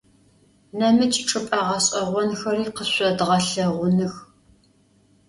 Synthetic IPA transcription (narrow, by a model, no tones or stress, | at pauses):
nɐmɨt͡ʃʼʈ͡ʂʼɨpʼɐʁɐɕʼɐʁʷɔnxɐriːqəɕʷɐdʁɐɬɐʁʷʊnɨx